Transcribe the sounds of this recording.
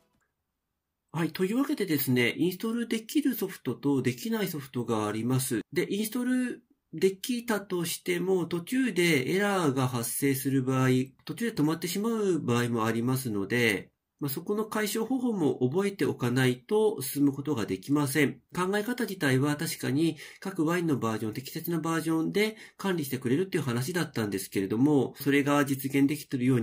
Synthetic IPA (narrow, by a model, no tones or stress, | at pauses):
hait̪o̞i̟ːβake̞d̪e̞d̪e̞sɨne̞ʔĩɰ̃sɨ̥t̪o̞ɾɯ̟d̪e̞kʲiɾɯ̟so̞ɸɯ̟̥t̪o̞t̪o̞d̪e̞kʲinaiso̞ɸɯ̟̥t̪o̞ɡaːɾʲimasɨd̪e̞ʔĩɰ̃sɨ̥t̪o̞ɾɯ̟ | d̪e̞kʲit̪at̪o̞ɕi̥t̪e̞mo̞t̪o̞t͡ɕɨːd̪e̞ːɾaɡahasːe̞ːsɨɾɯ̟baːit̪o̞t͡ɕɨːd̪e̞t̪o̞mat̪ːe̞ɕimaɯ̟baːimo̞aɾʲimas̬ɨno̞d̪e̞ | maso̞ko̞no̞kaiɕo̞ːho̞ho̞ːmo̞ʔːbo̞e̞t̪e̞o̞kanait̪o̞sɨ̥sɨmɯ̟ko̞t̪o̞ɡad̪e̞kʲimas̬ẽ̞ɴkãŋɡae̞kat̪ad͡ʑit̪aiβat̪aɕi̥kaɲ̟ikakɯ̟βaĩnːo̞baːʑõnt̪ekʲi̥se̞t͡sɨnabaːʑõ̞nd̪e̞kãnʲɾʲiɕi̥t̪e̞kɯ̟ɾe̞ɾɯ̟t̪ːe̞iɯ̟ɦanaɕ̬id̪at̪ːãnd̪e̞sɨ̥ke̞ɾe̞d̪o̞mo̞so̞ɾe̞ɡad͡ʑit͡sɨɡẽ̞nd̪e̞kʲi̥t̪ɯɾɯ̟jo̞ːɲ